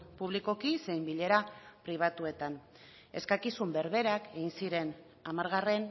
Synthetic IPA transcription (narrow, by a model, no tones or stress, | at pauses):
puβ̞liko̞kise̞jmbiʎe̞ɾapɾiβ̞at̪ue̞t̪an | e̞̰skakisumbe̞ɾβe̞ɾake̞ɣinsiɾe̞n | amaɾɣare̞n